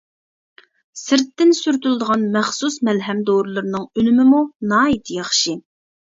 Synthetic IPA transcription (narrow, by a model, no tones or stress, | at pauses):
sɪɾt̪ːɪnsyɾt̪ylˠd̪əʁɑnmæχsusmɛlɦɛmd̪oɾɨlˠɨɾnɨŋylymɪmunɑːit̪ʰɪjɑχʃi